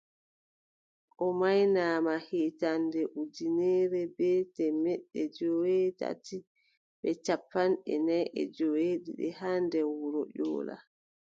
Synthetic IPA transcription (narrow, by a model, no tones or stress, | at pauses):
ʔɔmajnaːmahetandɛʔud͡ʒinɛːɾɛbɛtɛmɛɗːɛd͡ʒoweta̰ti | ɓɛt͡ʃapːanɗɛ̰najʔɛ̰d͡ʒoweɗiɗɛ̰handɛwuɾɔʄɔ̰ːla̰